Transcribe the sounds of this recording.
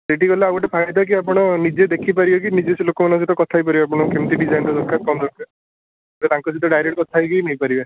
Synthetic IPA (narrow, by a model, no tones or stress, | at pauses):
deʈikɔleawʈepʰaɡajd̪ak̬iapɔɽ̃ɔnid͡ʒed̪ekʰipaɾibɔkinid͡ʒesilokɔmanɔ̃sit̪ɔkɔt̪ʰajp̬aɾibeap̬ɔɽ̃ɔkemt̪iɖid͡ʒajnɾɔd̪ɔɾkat̪̚kɔmd̪ɔkʰːe | ket̪aŋkɔs̬it̪ɔɖajɾek̚ʈ̚kɔt̪ʰajkinejpaɾibe